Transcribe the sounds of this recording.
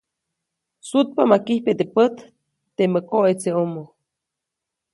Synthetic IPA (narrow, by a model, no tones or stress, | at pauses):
sut̪̚pamakihpet̪epət̪ː | eməkoʔet͡seomo